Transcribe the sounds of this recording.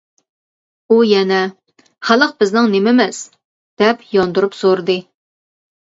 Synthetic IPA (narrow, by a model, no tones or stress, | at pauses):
ujɛnɛ | χælˠəq̚bɪznɨŋnemɪmɪz̥ | d̪̥ɛpjɑnd̪uɾupsoɾɨd̪ɨ